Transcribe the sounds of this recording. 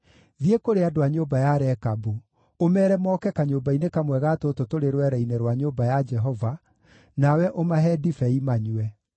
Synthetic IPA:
ðiekoɾeadoaɲobajaɾɛkabu | omɛːɾɛmɔːkɛkaɲobainekamwɛɣaːtototoɾeɾwɛɾɛinɛɾwaɲobajad͡ʒɛɦɔva | nawɛʔomaɦɛdifɛimaɲuɛ

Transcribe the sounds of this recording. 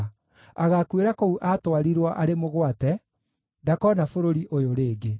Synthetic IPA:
aɣakweɾakouʔatwaɾiɾwaʔaɾemoɣwatɛ | dakɔnafoɾoɾiʔojoɾeːɡe

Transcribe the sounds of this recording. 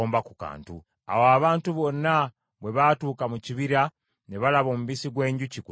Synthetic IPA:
oːmbakuka̰ːntu | a̰woaβaːntuβo̞nːa | βwe̞βatuːkamuciβiɾa | ne̞βalaβo̞ːmuβisiɡwe̞ːɲɟuciku

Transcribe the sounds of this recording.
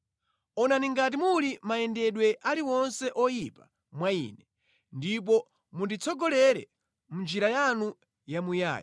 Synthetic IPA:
ɔnaniŋɡat̬imulimaɛndɛɗwɛʔaliwɔnsɛʔɔjipa | mwaḭːnɛ | ndip̬ɔ | mundit͡sʰɔɡɔlɛɾɛ̰ | mund͡ʒiɾajanu | jamuja̰ːj̰a

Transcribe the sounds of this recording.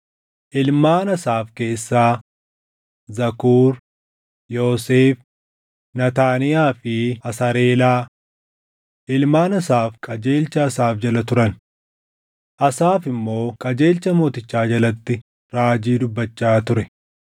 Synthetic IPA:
ʔɪlmaːnɐsaːfke̞ːsːaː | zɐkuːɾ | jo̞ːseːf | nɐt̪aːnɪjaːfɪɐsɐɾe̞ːlaː | ʔɪlmaːnɐsaːfkʼɐd͡ʒe̞ːlt͡ʃɐːsaːfd͡ʒɐlɐt̪ʊɾɐn | ʔɐsaːfɪmːo̞ːkʼɐd͡ʒe̞ːlt͡ʃːɐmo̞ːt̪ɪt͡ʃːaːd͡ʒɐlɐt̪ːɪ | ɾaːd͡ʒiːd̪ʊbːɐt͡ʃːaːt̪ʊɾɛ

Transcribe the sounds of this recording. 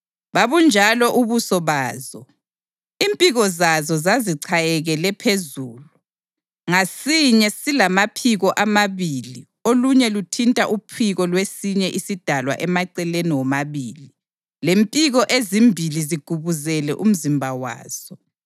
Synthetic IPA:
βaβund͡ʒʱalɔʔuβusɔβaːzɔ | impʼiɣɔzazɔzaziǀʰajɛɣɛlɛpʰezuːlu | ŋasiɲɛsilamapʰiɣɔʔamaβiːli | oluɲɛlutʰintʼaʔupʰiɣɔlwesiɲɛʔisid̥ʱalwa̰ʔɛmaǀɛleniwɔmaβiːli | lempʼiɣɔʔezimbʱiliziɡ̥ʱuβuzɛlɛ̰ʔum̩zimbʱawa̰ːz̥ɔ

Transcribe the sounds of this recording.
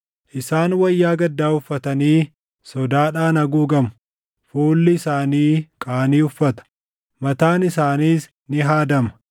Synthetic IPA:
ʔɪsaːnwɐjːaːɡɐd̪ːaːʊfːɐt̪ɐniː | sɔd̪aːᶑaːnɐɡuːɡɐm | fuːlːɪɪsaːniːkʼaːniːʊfːɐt̪ɐ̥ | mɐt̪aːnɪsaːniːs | nɪɦaːd̪ɐmɐ̥

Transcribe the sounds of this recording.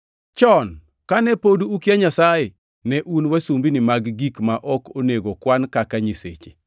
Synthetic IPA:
t͡ʃɔn | kanɛpoduukjaɲasaje | nɛʔunwasumbinɪmaɡɡikmaʔɔkoneɡokwankakaɲisḛt͡ʃe̥

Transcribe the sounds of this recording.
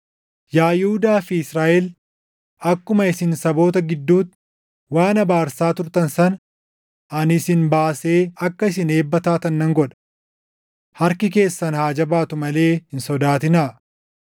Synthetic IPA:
jaːjhʊd̪aːfɪɪsɾaːʔɛl | ɐkːʊmɐɪsɪnsɐbo̞ːt̪̬ɐɡɪd̪ːuːt̪ | waːnɐbaːɾsaːt̪ʊɾt̪ɐnsɐn | ɐnɪsɪnbaːse̞ːɐkːɐɪs̬ɪne̞ːbːɐt̪aːt̪ɐnːɐŋɡɔᶑɐ̥ | hɐɾkɪk̬e̞ːsːɐnhaːd͡ʒɐbaːt̪ʊmɐle̞ːhɪnsɔd̪aːt̪ɪnaː

